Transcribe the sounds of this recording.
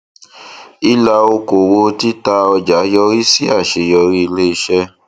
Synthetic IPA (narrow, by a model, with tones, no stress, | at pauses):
i˦la˧o˧ko˨wo˧ti˦ta˧ɔ˧d͡ʒa˨˦jɔ˧ɾi˦si˦a˦˨ʃe˧˦jɔ˧ɾi˦i˧le˦i˧ʃɛ˦